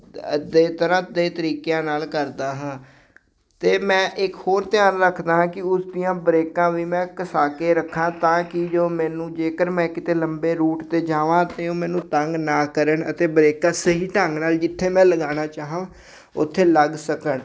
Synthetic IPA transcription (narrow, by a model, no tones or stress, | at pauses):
əd̪eːt̪əɾãːd̪eːt̪əɾiːkejãːnaːlkəɾd̪aːɦãː | t̪eːmɛ̃ːʔɪkhoːɾt̪ɪjaːnɾəkʰd̪aːɦãːkɪʊsd̪ijãːbɾeːkãːʋiːmɛ̃ːkəsaːkeːɾəkʰːãːt̪ãːkɪd͡ʒoːmɛ̃ːnũːd͡ʒeːkəɾmɛ̃ːkɪt̪eːləmbeːɾuːʈt̪eːd͡ʒaːʋãːt̪eːoːmɛ̃ːnũːt̪əŋɡnaːkəɾəɳət̪eːbɾeːkãːsəɦiːʈəŋɡnaːld͡ʒɪt̪ʰːeːmɛ̃ːləɡaːnaːt͡ʃaːɦãː | ʊ̰t̪ʰːeːləɡsəkəɳ